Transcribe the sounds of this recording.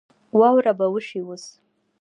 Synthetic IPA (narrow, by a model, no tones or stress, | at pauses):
wɑwɾabawəʂiwus